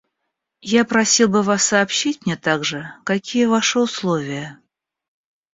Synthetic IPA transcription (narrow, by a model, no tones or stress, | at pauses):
japɾɐsʲilˠbɨvasːɐːpɕitʲmnʲet̪aɡʐɨkɐkʲijəvaʂɨʊslˠovʲɪjə